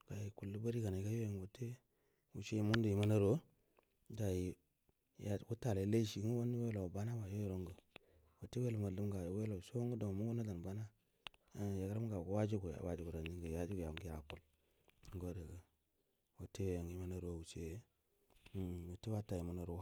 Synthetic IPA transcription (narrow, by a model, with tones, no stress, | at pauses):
ka˨ji˨ku˨lːu˦ba˦ɾi˦ka˨na˨ka˦jo˦je˨ŋwo˨te˦ | wṵ˨t͡ʃe˦i˨mu˦ndu˨ji˨ma˦na˦ɾo˦ | ɡa˨ji˨ | jku˦ta˨le˨˦le˦ʃi˨˦ŋ˦wo˦ndi˦we˦lo˨ba˦na˦wa˨jo˦jɾo˦ŋɡə˨ | wo˨te˦we˦lma˨lːu˦m˦ɡa˨jwe˦lo˨so˦ŋɡu˦do˨mu˦ɡu˦na˦da˨n˨ba˦na˦ | ja˨kɾa˦m˦ɡa˨ku˦wa˦d͡ʒu˦ɡu˨ja̰˨wa˦d͡ʒu˦ɡu˨ɾa˨ndi˦ŋɡə˨ja˦d͡ʒi˦ɡu˨ja˨ɡi˦a˨ku˦l | ŋ˦ɡo˦de˨ɡə˨ | wo˨te˦jo˦je˨ŋ˨i˦ma˦na˦ɾo˦wu˨t͡ʃe˦˨ | wo˨te˦wa˦ta˨ji˨ma˨na˨ɾ